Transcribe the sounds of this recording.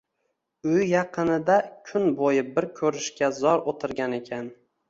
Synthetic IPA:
ʊjjɑqʰɨnɪd̪akʲʰʊnbojɪbɪɾkʲʰɵɾɪʃkʲazɒɾot̪ʰɪɾɡʲane̞kʲʰan

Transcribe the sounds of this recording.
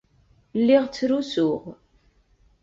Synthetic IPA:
lːiʁt͡sːɾusʊʁ

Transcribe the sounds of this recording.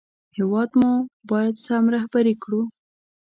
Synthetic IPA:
hɪwɑd̪mobɑjad̪samɾahbaɾikɽu

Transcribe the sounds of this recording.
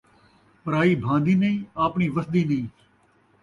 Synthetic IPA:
pəɾaːiːbʱãːnd̪iːnəĩːaːpɳiːʋəsd̪iːnəĩː

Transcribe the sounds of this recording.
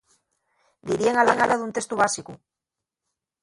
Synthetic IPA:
d̪iɾieŋalaŋalaðunt̪e̞st̪uβasiku

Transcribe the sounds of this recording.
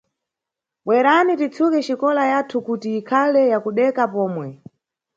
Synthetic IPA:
ɓwɛɾanitit͡sʰukɛt͡ʃikɔlajatʰukutiːkʰalɛjakuɗɛkapɔːmwɛ

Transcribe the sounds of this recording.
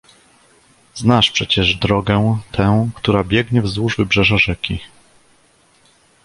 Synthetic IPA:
znaʂpʂɛt͡ɕɛʐd̪ɾɔɡɛt̪ʰɛ̃w̃kt̪uɾabʲjɛɡɲɛvzwuʐvɘbʐɛʐaʐɛkʲi

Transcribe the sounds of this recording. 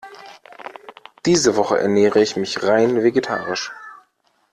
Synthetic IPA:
d̥iːzəvɔχəʔɛ̰ɐnɛːʁəɪçmɪçʁaɪnveɡetʰa̰ːʁɪʃ

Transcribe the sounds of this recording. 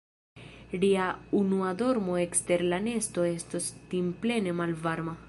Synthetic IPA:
liaunuad̪o̞ɾmoekste̞ɾlane̞sto̞e̞stostimple̞ne̞malvaɾma

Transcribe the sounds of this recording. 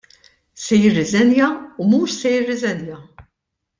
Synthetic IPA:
sɛjɪrːɪzɛnjɐumuːʃsɛjɪrːɪzɛnjɐ

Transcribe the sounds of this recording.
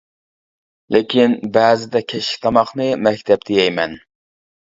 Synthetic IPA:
lɪkʲinbæːzɪd̪ɛkʲʰɛʃl̥kʲt̪ʰɑmɑχnɨmɛkʲt̪ʰɛp̚d̪ejɛjmɛn

